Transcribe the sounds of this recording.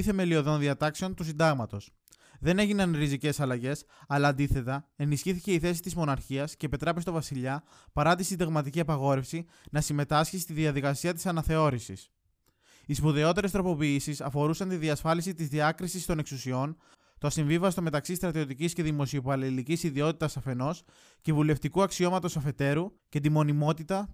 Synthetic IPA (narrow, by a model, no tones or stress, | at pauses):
iθe̞me̞lio̞ðo̞nðiɐt̪ɐkse̞o̞nt̪usind̪ɐɣmɐt̪o̞s | ðe̞ne̞ʝinɐnɾizice̞sɐlɐʝe̞s | ɐlɐːnd̪iθe̞t̪ɐe̞nisçiθice̞iθe̞si̥t̪izmo̞nɐɾçiɐsce̞ːpit̪ɾepest̪o̞vɐsiʎɐ | pɐɾɐt̪isind̪ɐɣmɐt̪iciɐpɐɣo̞ɾe̞fsi | nɐsime̞t̪ɐsçisi̥t̪iðiɐðikɐsiɐt̪isɐnɐθe̞o̞ɾisḭs | ispuðe̞o̞t̪e̞ɾest̪ɾo̞po̞piisisɐfo̞ɾusɐnt̪iðiɐsfɐlisit̪izðiɐkɾisist̪o̞ne̞ksusio̞n | t̪oɐsiɱvivɐst̪o̞me̞t̪ɐksist̪ɾɐt̪io̞t̪icisce̞ðimo̞sio̞pɐɾlilicisiðio̞t̪it̪ɐsɐfe̞no̞s | ce̞vule̞ft̪ikuɐksio̞mɐt̪o̞sɐfe̞t̪e̞ɾu | ce̞t̪imo̞nimo̞t̪it̪ɐ